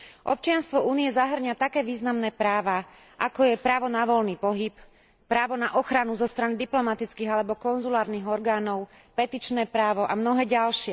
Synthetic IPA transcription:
ʔɔ̰p̚t͡ʃɪanst̪ʋɔuːniɛzaɦr̩ɲat̪akɛːʋiːznamnɛːpɾaːʋa | ʔakɔjɛpɾaːʋɔnaʋɔlniːpɔɦip | pːɾaːʋɔnaʔɔxɾanuzɔst̪ɾanid̪iplɔmat̪it͡skiːɣalɛbɔkɔnzulaːɾniːɣɔɾɡaːnɔʊ | pɛt̪it͡ʃnɛːpɾaːʋɔʔamnɔɦɛːɟalʃɪɛ

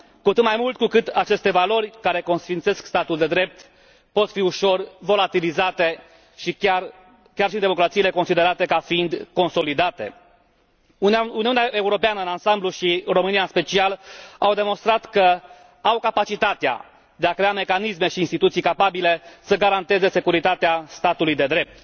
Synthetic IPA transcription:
kot̪ɨt̪majmult̪kukɨt̪at͡ʃe̞st̪e̞valo̞rʲkaɾe̞ko̞nsfint̪se̞skst̪at̪uld̪e̞d̪ɾe̞p̚t̪ | po̞t̪fiuʃo̞rvo̞lat̪ilizat̪e̞ | ʃiar | kʲjarʃiɨnd̪emo̞kɾat̪siːle̞ko̞nsid̪e̞ɾat̪e̞kafiind̪ko̞nso̞lid̪at̪e̞̰ | uniuneaʔe̞uɾo̞peanəɨnansambluʃiro̞mɨnijaɨnspe̞t͡ʃialawd̪e̞mo̞nst̪ɾat̪kə | awkapat͡ʃit̪at̪ea̰ | d̪eakɾe̞ame̞kanisme̞ʃiːnst̪it̪ut̪sijkapabile̞səɡaɾant̪e̞ze̞se̞kuɾit̪at̪east̪at̪ulujd̪e̞d̪ɾe̞p̚t̪

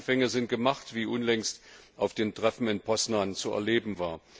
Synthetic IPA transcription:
fɛŋəzɪnt̚ɡ̥əmaχtv̥iːʔʊnlɛŋstʔaʊfd̥eːntʁ̥ɛfn̩ɪnpʰɔsnaːnt͡suɛ̰ɐleːbm̩vaːɐ

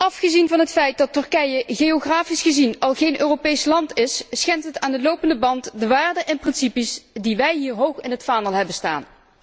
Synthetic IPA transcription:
ʔɑfχəzinvɑnɦətfɛjt̚dɑtɵɹkɛjəɣeoχraːfisχəzinɑlˠɣejnʔøːrowpejslɑntɪsːχɛntɦətaːndəlowpəndəbɑntdəʋaːɹdəʔɛnprɪnsipisdiʋɛjɦiːɹɦowχɪnɦətfaːnəlˠɦɛbənsta̰ːn

